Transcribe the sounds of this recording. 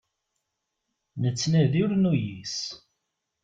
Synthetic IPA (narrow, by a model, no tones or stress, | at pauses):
nət͡sːnæðiɾnujis